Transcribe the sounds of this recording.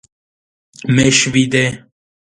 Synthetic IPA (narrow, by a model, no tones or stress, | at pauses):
meʃvid̪e